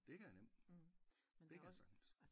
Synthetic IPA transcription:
b̥eɡ̥əæɐnem̰d̥ | beɡ̥sɑ̈ŋ̥n̩s

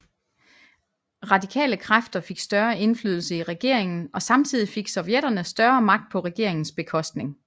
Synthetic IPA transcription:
ʁɑ̈d̥ikʰɛ̰ːləkʰʁafd̥ɐfe̝ɡ̥sd̥ɶɐe̝nflyːð̞ˠl̩səiʁɛɡ̥e̝ɐ̰eŋn̩ɒ̽sɑ̈mt͡sʰið̰ˠife̝ɡ̥sɒ̽ʊjeɾɐnəsd̥ɶɐmɑ̈ɡ̥̚d̥̚pʰɒ̽ʁɛɡ̥e̝ɐ̰eŋn̩sb̥e̝kʰɒ̽sd̥ne̝ŋ

